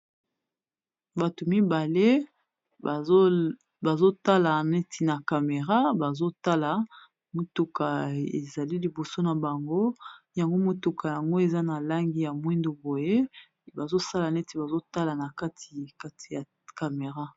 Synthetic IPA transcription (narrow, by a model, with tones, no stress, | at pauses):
ba˨tu˨mi˦ba˨le˦˨˦ | ba˨zo˦ta˦la˨nɛ˦ti˨na˨ka˨me˨ʁa˦ba˨zo˦ta˦la˨ | mo˨tu˨ka˨ḛ˨za˨li˦li˨bo˨so˦na˨ba˨ŋɡo˦ja˨ŋɡo˦mo˨tu˨kʰa˨ja˨ŋɡo˦e˨za˦na˨la˦ŋɡi˦ja˨mwi˦ndo˨bo˨je˦ | ba˨zo˦sa˦la˨nɛ˦ti˨ba˨zo˦ta˦la˨na˨ka˦tʰi̥˨ka˦tʰi̥˨ja˨ | ka˨me˨ʁa˦